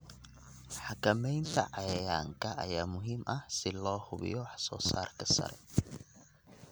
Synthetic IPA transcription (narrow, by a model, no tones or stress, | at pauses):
ħɑkʰɐmɛjnt̪ʰɐ̰ʕɑjɛjaːŋkʰɐʔɐjaːmʊɦiːmʔɐhsɪlɔːhʊβɪ̰jɔwɑħsɔ̰ːsa̰ːrkʰɐsɐ̰ɾɛ̰